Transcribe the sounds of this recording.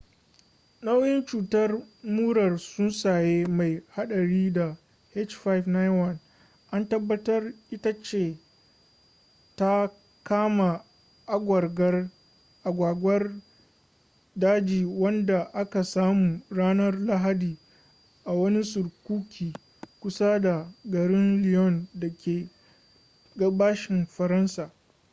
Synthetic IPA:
na˦wjɪ˦nt͡ʃuː˨tɐ˦rmuː˦ɽɐ˨rsʊ˦nsaː˨jeː˦ma˨jha˦ɗɐ˨ɽiː˦da˨ | hɛ˦t͡ʃfa˦jfna˦jwɐ˦n | ʔa˦ntɐ˦bːɐ˦tɐ˦rʔɪ˦ta˦t͡ʃeː˦˨ | ta˦ | kaː˦ma˨ | ʔa˦ɡʷɐ˨rɡɐ˦r | ʔa˨ɡʷaː˨ɡʷɐ˦r | daː˦d͡ʒiː˨wɐ˦nda˨ʔa˦ka˨saː˦muː˨ɽaː˦nɐ˦rla˦ɦa˦diː˨ | ʔa˨wɐ˦ni˦sʊ˨ɾkʷuː˦kʲʰiː˨ | kʷʊ˦sa˦da˨ɡɐ˨ɾɪ˦nlɪ˨jɔ˦˨ndɐ˨kʲeː˨ | ɡɐ˦baː˦ʃɪ˨mɸɐ˨ɾɐ˦nsaː˨

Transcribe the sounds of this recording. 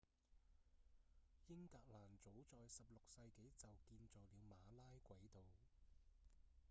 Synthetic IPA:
jɪ˥ŋkaː˧k̚laː˨˩nt͡so˨˥wt͡sɔː˨jsɐ˨p̚lʊ˨k̚sɐ˧jke˨˥jt͡sɐ˨wkiː˧nt͡sɔː˨k̚liː˨˧wmaː˨˧laː˥jkʷɐ˨˥jt̪o˨w

